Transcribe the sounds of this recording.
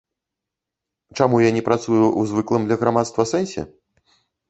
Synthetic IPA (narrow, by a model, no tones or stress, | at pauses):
t͡ʂamujanʲɛpɾat̪sujuuzvɨklˠɨmd̪lʲɐɣɾamat̪st̪vɐsɛnʲsʲɛ̰